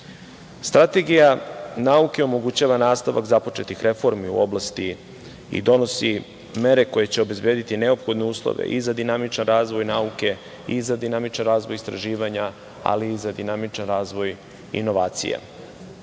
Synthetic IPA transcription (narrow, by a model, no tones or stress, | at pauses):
st̪ɾat̪e̞ɡijanauke̞o̞mo̞ɡut͡ɕaːʋanaːst̪aʋa̰kzapo̞t͡ʃe̞t̪ixɾe̞fo̞ɾmiṵoblˠast̪i | ḭd̪o̞no̞si | me̞ɾe̞ko̞je̞t͡ɕe̞o̞be̞zbjeːd̪it̪ineo̞pxo̞d̪ne̞uːslˠo̰ʋḛʔizad̪inamit͡ʃanɾaːzʋo̞jnauke̞ | izad̪inamit͡ʃanɾaːzʋojist̪ɾaʒiːʋaɲa | a̰liːzad̪inamit͡ʃanɾaːzʋo̞j | ḭnoʋaːt̪sḭjḛ